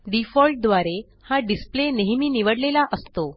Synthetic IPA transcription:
ɖifɔlʈ̚d̪ʋaɾe | haɖispleneɦmiːniʋəɽlelaʔəst̪o

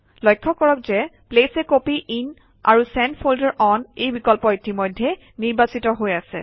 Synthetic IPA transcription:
lɔjkʰːɔkɔɹɔkzɛplesɛkopiʔin | a̰ɹusɛnpʰoldɔɹʔɔnejbikɔlpɔitimɔjdʱːɛ | niɹbasitɔɦojasɛ̰

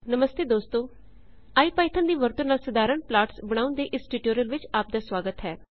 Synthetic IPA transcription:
nəməst̪eːd̪oːst̪õː | aːiːpaːɪt̪ʰənd̪iːʋəɾt̪ə̃naːlsəd̪aːɾəɳplaːʈsbəɽ̃ãːʊ̃nd̪eːʔɪsʈɪʈoːɾiəlʋɪt͡ʃaːp̚d̪aːsʋaːɡət̪ɦɛː

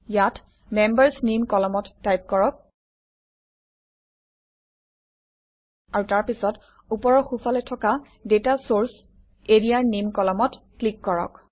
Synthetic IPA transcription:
jat | mɛmbəɹsnimkɔlɔmɔtːajp̚kɔɹɔk̚ | aɹutaɹpisɔt | upɔɹɔxufʰalɛtʰɔka | detasoɹs | eɹijaɹnimkɔlɔmɔt | klikːɔɹɔ̰k

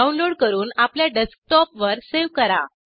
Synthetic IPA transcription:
aunloɽkəɾuːnapljaɖesk̚ʈɔpʋəɾseʋkəɾa

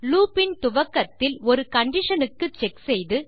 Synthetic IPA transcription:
luːpɪnt̪ʊʋɐkːɐt̪ːɪlɔɾɯkɐɳɖɪʂɐnɯkːɯt͡ʃɛksɛjðɯ

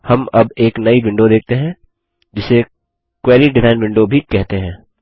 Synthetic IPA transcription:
hɐmɐbeːknɐibɪ̃ɳɖod̪eːk̚ʰt̪eɦɛ̃ | d͡ʒɪse | kwɛːliɖɪɾaːɪnʋɪ̃ɳɖobʱikɛɦt̪eɦɛ̃ː

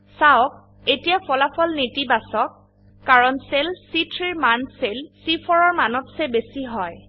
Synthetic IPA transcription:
sawk̚ | etijapʰɔlapʰɔlnitibasɔkː | aɹɔnselsitʰɹiɹmanselsipʰɔɹɔɹmanɔtsɛbesiɦɔj

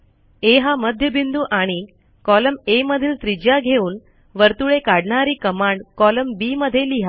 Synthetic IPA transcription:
eɦaməd̪ʱjəbind̪uːʔaɽ̃i | kɔləmeməd̪ʱiːlt̪ɾid͡ʑjaɡʱeuːn | ʋəɾt̪uɭekaɽɳaɾiːkəmaɳɖkɔləmbiməd̪ʱjeliɦa

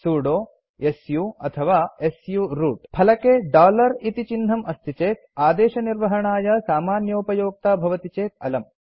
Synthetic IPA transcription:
suːɽoː | esjuːɐt̪ʰɐʋaːesjuːɾuːʈpʰɐlɐkeːɖaːlɐɾit̪it͡ʃinːɐmʔɐst̪ʰit͡ʃeːt̪̚aːd̪eːʃɐniɾʋɐɦɐɳaːjɐsaːmaːnjɐːpɐjoːk̚t̪aːbʱɐʋɐt̪it͡ʃeːt̪ɐlɐm

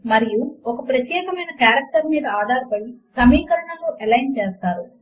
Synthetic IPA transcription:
mɐɾijuɔkɐpɾɐt̪jeːkɐmɐjnɐkaːɾɐk̚ʈɐɾmiːd̪ɐaːd̪ʱaːɾpɐɽisɐmiːkɐɾɐɳɐloːʔelɐjnt͡ʃeːst̪aːɾu

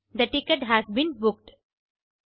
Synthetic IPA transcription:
d̪əʈɪkəʈɦæzbĩnbʊk̚ʈ

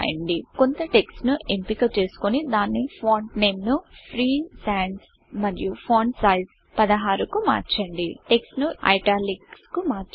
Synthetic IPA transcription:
jɐ̰ɳɖikont̪ɐʈe̞ksnuempikɐt͡ʃe̞ːsu̥konid̪aːnːipʰoːɳʈneːmnupʰɾiːsaːɳɖs | mɐɾijupʰoːɳʈsajs | pɐd̪ɐɦaːɾukuma̰ːɾt͡ʃɐɳɖiʈe̞ksnuɐ̰jʈaːlikskumaːɾt͡ʃ

